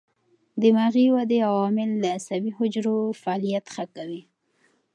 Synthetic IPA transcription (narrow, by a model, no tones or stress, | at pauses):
d̪əmaɣiwad̪eawɑmɪld̪əasabiɦʊd͡ʒɾofaɑlijat̪xakawi